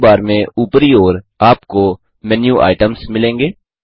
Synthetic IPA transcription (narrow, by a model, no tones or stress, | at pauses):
baːɾmẽuːpəɾioːɾ | aːpko | mɛːnjũʔa̰ːɪʈəmsmɪlẽːŋɡeː